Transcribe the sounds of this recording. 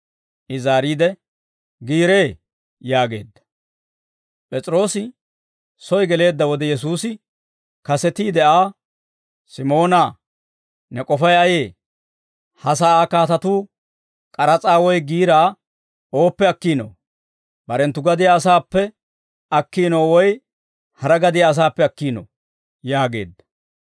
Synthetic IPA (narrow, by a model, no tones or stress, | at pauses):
ʔɪzaːɾiːd̪ɛ | ɡiːɾeː | jaːɡe̞̰ːd̪ːɐ̥ | pʼɛt͡sʼɾo̞ːsɪ | sɔjɡɛle̞ːd̪ːɐwɔd̪ɛjɛsuːsɪ | kɐsɛt̪iːd̪ɛʔaː | sɪmo̞ːna | nɛkʼɔfɐjɐje̞ː | hɐs̬aːakaːt̪ɐt̪uː | kʼɐɾɐt͡sʼaːwɔjɡiːɾaː | o̞ːpːɛɐkːiːno̰ː | bɐɾɛnt̪ːʊɡɐd̪ɪjaːsaːpːɛ | ɐkːiːnoːwɔj | hɐɾɐɡɐd̪ɪjaːs̬aːpːɛɐkːiːno̰ | jaːɡe̞̰ːd̪ːɐ̥